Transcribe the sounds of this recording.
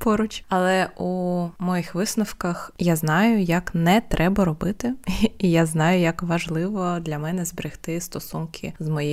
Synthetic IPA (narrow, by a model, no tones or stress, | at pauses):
pɔɾʊt͡ʃʲɐlˠɛʔumɔjɪxʋɪsnɔwkɐxjaznɑjʊjɐknɛt̪ɾʔɛbɐɾɔbɪt̪ɪijaznɑjʊjɐkʋɐʒlˠɪʋɔd̪lʲɐmɛnɛzbɾɪxt̪ɪst̪ɔsunkʰɪ̰zmɔji